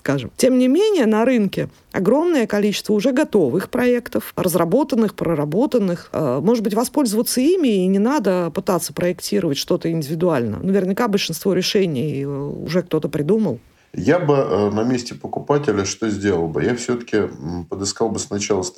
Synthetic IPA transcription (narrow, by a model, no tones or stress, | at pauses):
skaʐɨ̰mtʲe̞mnʲɪmʲenʲɪjənɐɾɨnkʲɪ | ɐ̰ɡɾo̞mnəjəkɐlʲit͡ɕɪ̥st̪vəʊʐɛɡɐt̪o̞vɨxpɾɐekt̪əfrəzrɐbo̞t̪ənːɨxpɾəɾɐbo̞t̪ənːɨxmo̞ʐɨd̪bɨtʲvɐspo̞lʲzəvət̪səimʲɪːnʲɪnad̪əpɨt̪at̪sːə̥pɾəɪktʲiɾəvətʲʂt̪o̞t̪əɪnʲdʲɪvʲɪd̪ʊalʲnə̰ə̰nəvʲɪrnʲɪkabəlʲʂɨnst̪vo̞ɾʲɪʂɛnʲɪjʊ̰ʐɛk̚t̪o̞t̪əpɾʲɪd̪uməlˠ | jabɨnɐmʲesʲtʲɪpəkʊpatʲɪlʲəʂt̪ozʲdʲe̞lˠəlˠbɨ̰jafsʲɵt̪ə̥kʲɪpəd̪ɨskalˠbɨsnɐt͡ɕalˠəs